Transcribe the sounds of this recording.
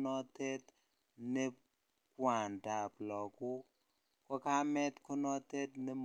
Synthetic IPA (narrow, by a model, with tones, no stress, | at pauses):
nɔ˦tɛ˦t | nɛ˦ | kwa˨nda˨plɔ˨ku˦ | kɔ˦ka˦mɛ˦tkɔ˦nɔ˦tɛ˦tnɛ˦m